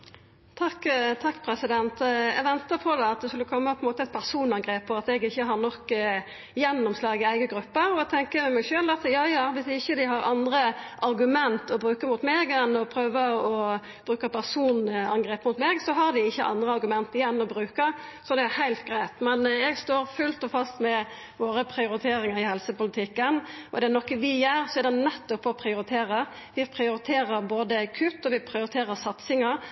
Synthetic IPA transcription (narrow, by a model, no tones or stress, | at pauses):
t̪ʰɑkːt̪ʰɑkːpʰɾɛsɪd̪ɛnt̪ɛɡʋɛnt̪əpʰɔd̪ɛɑt̪̚d̪ɛskʉləkʰɔmːəpʰɔɛnmoːt̪əɛt̪̚pʰæʁsuːnɑŋɡʁeːpʰːɔɑt̪ɛɡɪçːəɦɑʁnɔkː | jɛnːɔmslɑːɡəæɪɡəɡɾʉpːəɾɔɛt̪ʰɛŋkəmɛmæɡʃøːlɑt̪jɑːjɑːʋɪsɪçːəd̪ɪɦɑɾɑnd̪ɾəʔɑɾɡʉmɛnt̪ɔbʁʉːkəmʊt̪meːɡɛnːɔpʰɾøːʋəɔ | b̥ʁʉːkəpʰæʁsuːnɑ̰ŋɡɾeːpmʊt̪meːɡsɔɦɑɾd̪ɪɪçːəʔɑ̰nd̪ɾəɑɾɡʉmɛnt̪ɪjɛnːɔbɾʉːkəsɔd̪ɛæhæɪlt̪̚ɡɾæɪt̪mɛnɛɡst̪oːɾfʉlt̪ɔfɑst̪mɛ | ʋoːɾəpʰɾɪʊɾɪt̪ʰeːɾɪŋɑɾɪhɛlsəpʊlɪt̪ʰɪkːənɔd̪ɛænɔkːəʋɪjœːɾsɔæɾd̪ɛnɛt̪ːɔpːɔpʰɾɪʊɾɪt̪ʰeːɾə | ʋɪpʰɾɪʊɾɪt̪ʰeːɾəɾboːd̪əkʰʉt̪ːɔʋɪpʰɾɪʊɾɪt̪ʰeːɾəɾsɑt̪sɪŋəɾ